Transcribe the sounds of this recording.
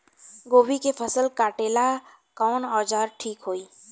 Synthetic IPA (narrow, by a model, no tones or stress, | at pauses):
ɡoːwikepʰəsəlkaːʈeːla | kɔːnɔːd͡ʒaːɾʈʰiːkɦoːiː